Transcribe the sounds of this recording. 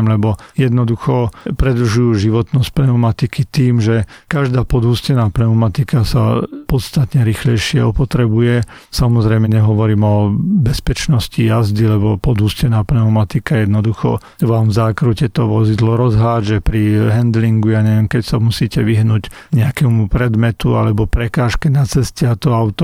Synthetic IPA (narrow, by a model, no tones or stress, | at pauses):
mlɛbɔjɛd̪nɔd̪uxɔpɾɛd̪r̩uʒujuʒiʋɔt̪nɔsc̚plɛumat̪ikit̪iːmʒɛkaʒd̪aːpɔd̪ɦuːscɛnaːpnɛumat̪ikasa̰pɔt̪st̪at̪ɲɛɾixlɛjʃɪɛ̰ɔpɔt̪ɾɛbujɛ | samɔzɾɛjmɛɲɛɦɔʋɔɾiːmɔbɛspɛt͡ʃnɔscijazd̪ilɛbɔpɔd̪ɦuːscɛnaːpnɛʊmat̪ikajɛd̪nɔd̪uxɔ̰ | ʋaːmzaːkɾucɛt̪ɔʋɔzid̪lɔɾɔzɦaːd͡ʒɛpɾiɦɛnd̪liŋɡujaɲɛʋɛmkɛcsamusiːcɛʋiɦnuːɟɲɛakɛmupɾɛd̪mɛt̪ua̰lɛbɔpɾɛkaːʃkɛnat͡sɛscɛat̪ɔaʊt̪ɔ